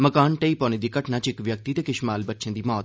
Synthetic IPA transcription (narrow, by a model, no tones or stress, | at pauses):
məkaːnʈəiːpɔːnẽːd̪iːkəʈnaːt͡ʃɪkʋjək̚t̪iːt̪eːkɪʃmaːlbətːʃʰẽːd̪iːmɔːt̪